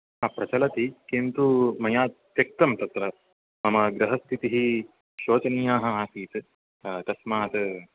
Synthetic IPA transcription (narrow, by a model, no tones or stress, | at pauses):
ɦɐpɾɐt͡ʃɐlɐt̪ikint̪umɐjaːt̪jɐk̚t̪ɐmt̪ɐt̪ɾɐ | mɐmɐɡɾɐɦɐst̪ʰit̪iɦi | ʃoːt͡ʃɐnijaːɦɐ̆aːsiːt̪ | t̪ɐsmaːt̪